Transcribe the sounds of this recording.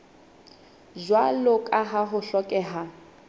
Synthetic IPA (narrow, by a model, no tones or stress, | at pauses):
d͡ʒwalokʼaɦaɦʊɬɔkʼɛːɦa